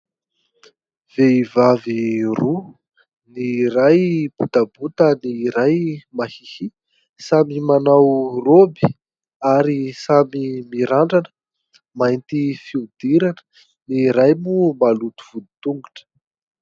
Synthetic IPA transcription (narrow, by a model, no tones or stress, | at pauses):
v̥eivaviru | niɾajb̥ut̪abut̪əniɾajmahihi | samimanawrobi | aɾisamimiɾaɳɖ͡ʐanə | majnt̪ifiud̪iɾanə̥ | niɾajmumalut̪u̥v̥ud̪i̥t̪uŋɡuʈ͡ʂə̥